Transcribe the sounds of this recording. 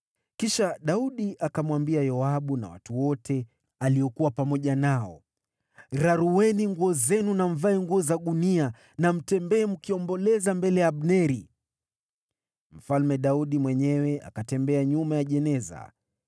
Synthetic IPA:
kiʃaɗauɗiʔakamwambiajɔaɓuna̰wa̰tuwɔtʰɛ | aliɔkuwapamɔʄanaɔ | ɾaɾuwɛniŋɡuɔzɛnunam̩vaɛŋɡuɔzaɗunia | nam̩tɛmbɛːm̩kiɔmbɔlɛzambɛlɛjaɓnɛɾi | m̩falmɛɗauɗimwɛɲɛwɛʔa̰katɛmbɛaɲumajaʄɛnɛza̰

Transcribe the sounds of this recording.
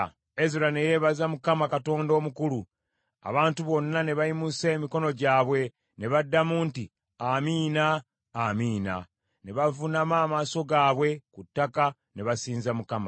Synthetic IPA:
eziɾane̞je̞ːβazamukamakato̞ːndo̞ːmukuɾu | a̰βaːntuβo̞nːane̞βajimuseːmiko̞no̞ɟaːβwe̞ | ne̞βadːamuːnti | amiːnaː | miːna̰ | ne̞βavunamaːmaːso̞ɡaːβwe̞kutːaka | ne̞βasiːnzamukama

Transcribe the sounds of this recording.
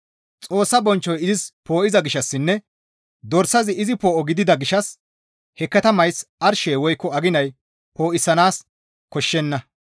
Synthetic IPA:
t͡sʼo̞ːsːɐbɔnt͡ʃːɔjɪzɪspo̞ːʔɪzɐɡɪʃɐsːɪnːɛ | d̪ɔɾsɐzɪɪzɪpo̞ːʔɔɡɪd̪ɪd̪ɐɡɪʃɐs | hɛkːɐt̪ɐmɐjsɐɾʃeːwɔjkːɔɐɡɪnɐj | poːʔɪsːɐnaːs | kɔʃːɛnːɐ

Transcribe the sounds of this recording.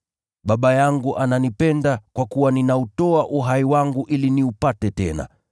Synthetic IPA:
ɓaɓajaŋɡuʔananipɛndakwakuwaninautɔaʔuɦaiwaŋɡuʔiliniupatɛtɛna̰

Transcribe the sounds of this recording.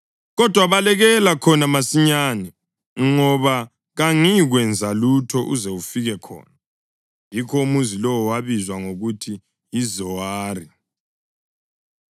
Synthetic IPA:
ɣɔd̥ʱwaβalɛɣɛlakʰɔnamasiɲaːnɛ | ŋɔβa | ɣaŋiɣwɛnd͡zʱalutʰɔʔuzeufiɣɛkʰɔ̰ːna | jikʰɔumuzilɔwɔwaβizwaŋoɣutʰi | jizɔwaːri

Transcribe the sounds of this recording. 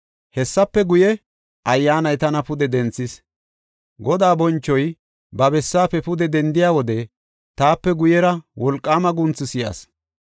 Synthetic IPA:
hɛsːɐpːɛɡʊjɛ | ʔɐjːaːnɐjt̪ɐnɐpʊd̪ɛd̪ɛnt͡sːɪs | ɡɔd̪aːbɔnt͡ʃːɔj | bɐbɛsːaːpːɛpʊd̪ɛd̪ɛnd̪ɪjaːwɔd̪ɛ | t̪aːpːɛɡʊjɛɾɐwɔlkʼːaːmɐɡʊnt͡sːɪsɪjɐ̰s

